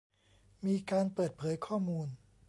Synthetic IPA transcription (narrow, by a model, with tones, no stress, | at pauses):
miː˧kaː˧npɤː˨˩t̪̚pʰɤː˩˦jkʰɔː˥˩muː˧n